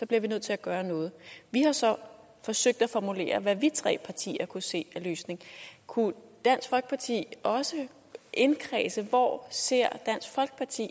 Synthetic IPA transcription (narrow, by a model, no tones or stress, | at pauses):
sɒ̽b̥liɐʋinøð̰ˠt͡sʰe̝æɡ̥ɶːɐnɔ̽ːð̞̩ˠʋihɑ̈sɒ̽ | fɒ̽søɡ̥̚d̥æfɒmule̝̰ːɐʋæʋit͡sʰʁɛ̰ːpʰɑ̈t͡sʰḭːɐkʰuse̝̰ːæløːsne̝ŋkʰud̥æn̰sɡ̥fɒ̽lɡ̥ə̥pʰɑ̈t͡sʰḭːɒ̽sə | ʔe̝nkʰʁɛːsəʋɒ̰se̝ɐ̰d̥æn̰sɡ̥fɒ̽lɡ̥ə̥pʰɑ̈t͡sʰḭː